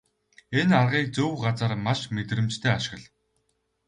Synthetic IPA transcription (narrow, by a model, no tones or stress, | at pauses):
enarʁiːk̚t͡sɵwɢat͡săːrmaʃmet̪rɘ̆mt͡ɕt̪ʰeːaʃɪ̥̆ʁə̆ɮ